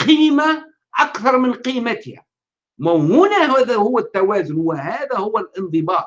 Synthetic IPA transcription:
qiːma | ʔakθɑɾˤmɪnqiːmət̪ɪhæ̰ | mawhʊnæɦðhʊwːæt̪ːawæːzʊnwɪhæːðæhʊwːælʔɪnd̪ˤɨbɑːʔ

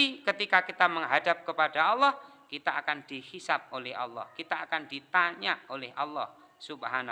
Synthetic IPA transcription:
ikət̪ikakit̪aməŋɦadap̚kəpadaɑlːɔhkit̪aakand̥ihisap̚olɛhɑ̰lːɔ̰hkit̪aaːkand̥it̪aɲaolɛhʔɑlːɔh | subhan

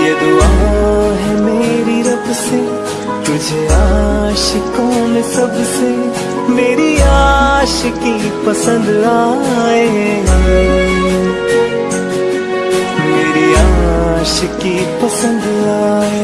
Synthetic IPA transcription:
jɐd̪oaːõɦɛmeːɾiɾɐbse | t̪ʊd͡ʒʱeaʃəkõmẽsɐbse | meːɾiaːʃki | pɐsə̃nd̪aːe | meːɾiaːʃəki | pɐsə̃nd̪aaːe

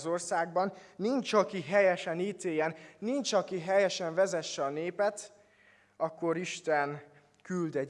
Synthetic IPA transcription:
zorsaːɡ̚bɒnːint͡ʃɒkiɦɛjɛʃɛniːt̪eːjɛnːint͡ʃɒkiɦɛjɛʃɛɱvɛzɛʃːɛɒneːpɛt̪ | ɒkːo̞ɾiʃt̪ɛn | kyld̪ɛ

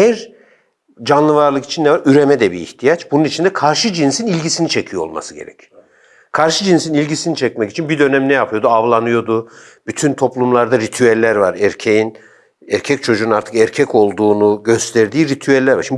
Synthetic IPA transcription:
ɛɾ | d͡ʒanlˠɯvaɾlˠɯki̥t͡ʃʰinːɛvaɾyɾe̞mɛd̪ɛbḭːht̪ʰijat͡ʃbununit͡ʃʰind̪ɛkʰaɾʃɯd͡ʒinsinilʲɟisinit͡ʃʰecʰijoolˠma̰sɯɟḛɾɛ̰cʰ | kʰaɾʃɯd͡ʒinsinilʲɟisinit͡ʃʰɛc̚mɛci̥t͡ʃʰinbid̪ø̞nɛmnɛjapʰɯjo̞d̪uavlˠanɯjo̞d̪u | b̥yt̪ʰynt̪ʰo̞plˠumlˠaɾd̪aɾit̪ʰyɛlʲːæɾvaɾɛɾcʰejin | ɛɾcʰɛc̚t͡ʃʰo̞d͡ʒunaɾt̪ʰɯ̥kɛɾcʰɛco̞lˠd̪uːnuɟø̞st̪ʰɛɾd̪iːɾit̪ʰyɛlʲːæɾva̰ɾʃim

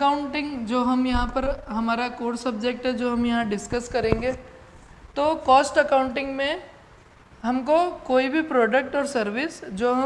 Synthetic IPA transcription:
ɐkaːʊ̃ɳʈɪ̃ŋɡd͡ʒoːɦɐmjɐɦãpɐɾɦɐmaːɾakoːɾsɐb̚d͡ʒeːk̚ʈɦɛd͡ʒoːɦɐmjɐɦãɖɪskəskɐɾẽːŋɡe | t̪oːkɔːsʈɐkaːʊ̃ɳʈɪ̃ŋɡmẽ | ɦɐmkokoːibʱipɾɔːɖək̚ʈɔːɾsɐɾʋɪsd͡ʒoːɦɐ

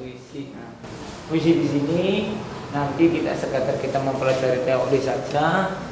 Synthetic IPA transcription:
uisina | puis̬idisini | nant̪ikit̪a̰səkat̪arkit̪aməmpəlad͡ʒaɾit̪eodisad͡ʒa

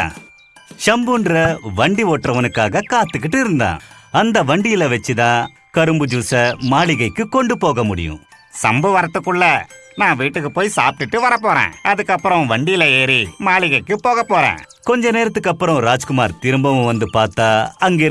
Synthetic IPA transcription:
ʃɐmbuɳɖɾɐʋɐɳɖiʋoːʈrɐʋɐnɯkːaːɣɐkaːt̪ːɯkːɪʈːɯɪɾɯnd̪ã̰ːɐnd̪ɐʋɐɳɖɪjɪlɐʋɐt͡ʃːɯt̪ãː | kɐɾɯmbɯd͡ʒuːsɐmaːɭɪɣɐɪkːɯkɔɳɖɯpoːɣɐmʊɽɪ̰jʊ̰̃ | sɐmbɯʋɐɾɐt̪ːɯkːɯɭːɐ | nãːʋiːʈːɯkːɯpoːjisaːp̚ʈɪʈːɯʋɐɾɐpːoːɾḛ̃ːɐðɯkːɐpːɯɾɐ̃ʋɐɳɖɪjɪlɐeːɾimaːɭɪɣɐɪkːɯpoːɣɐpːoːɾḛ̃ːkɔɲd͡ʒɐneːɾɐt̪ːɯkːɐpːɯɾɔ̃ɾaːd͡ʒkʊmaːɾt̪ɪɾɯmbɐʋɐ̃ʋɐnd̪ɯpaːɾt̪ːaːɐŋɡeː

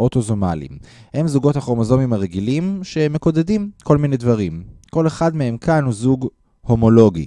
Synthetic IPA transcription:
ʔot̪ozomalḭmhe̞mzuɡo̞t̪haχoʁmozo̞mimaʁeɡilimʃeme̞kodedimko̞lminedvaʁimkole̞χadmee̞mkʰanhuzuɡ | ho̞mo̞lo̞ɡḭ

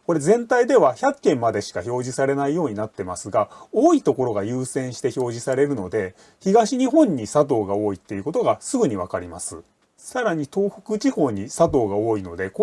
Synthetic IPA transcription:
ko̞ɾe̞zẽ̞nt̪aid̪e̞βaçakːẽ̞mmːad̪e̞ɕi̥kaço̞ːʑisaɾe̞naijo̞ːɲ̟inat̪ːe̞masɨɡaoːit̪o̞ko̞ɾo̞ɡajɯ̟ːsẽ̞ɰ̃ɕi̥t̪e̞ço̞ːʑisaɾe̞ɾɯ̟no̞d̪e̞ | çiɡaɕiɲ̟iɦõ̞ɲ̟ːisat̪̬o̞ːɡao̞ːit̪ːe̞iɯ̟ko̞t̪o̞ɡasɨɡɯ̟ɲ̟iβ̞akaɾʲima̰sɨ̰ | saɾaɲ̟it̪o̞ːɸɯ̟̥kɯ̟t͡ɕiho̞ːɲ̟isat̪̬o̞ːɡao̞ːino̞d̪e̞k

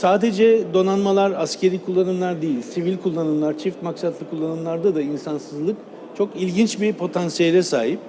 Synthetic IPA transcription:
saːd̪e̞d͡ʒɛd̪o̞nanmalˠaɾascʰe̞ɾiːkʰulˠːanɯmlˠaɾd̪ejilʲsivilʲkʰulˠːanɯmlˠaɾt͡ʃʰift̪maksat̪ʰlˠɯkʰulˠːanɯmlˠaɾd̪ad̪ainsansɯzlˠɯk | t͡ʃʰo̞kilʲɟint͡ʃbipʰo̞t̪ʰansijelʲɛsaːɦip

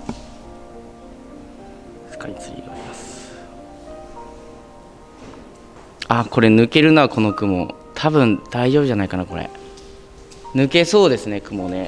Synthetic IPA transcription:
sɨ̥kait͡sɨɡʲḭoɾʲimasɨ̥ | ako̞ɾe̞nɯ̟ke̞ɾɯ̟noβakʰo̞no̞kɯ̟mo̞̰ | t̪ʰabɯ̟̃nd̪̥aiʑo̞ːbɯ̟ʑanaikanako̞ɾḛ | nɯ̟ke̞so̞ːd̪e̞sɨne̞kɯ̟mo̞ne̞

